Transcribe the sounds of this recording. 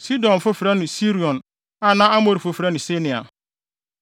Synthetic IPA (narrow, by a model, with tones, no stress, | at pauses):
si˦dɔ̃˨n˨fʊ˦fi˨ɾa˦nʊ̃˨si˦ɾi˨ɔ̃˨n | a˨nã˦a˦mo˨ɾi˨fʊ˨fi˨ɾa˦nʊ̃˨se˦nɪ̃˨a̰˨